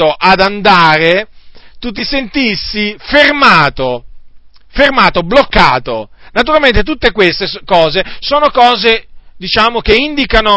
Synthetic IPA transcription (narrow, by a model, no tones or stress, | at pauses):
oʔad̪and̪aːɾet̪ut̪̬ːisent̪isːifermaːt̪o | fermaːt̪oblokːaːt̪onat̪̬uɾalmẽnt̪et̪ut̪ːekwest̪eskɔːzesoːnokɔːzed̪it͡ʃaːmokeind̪ikano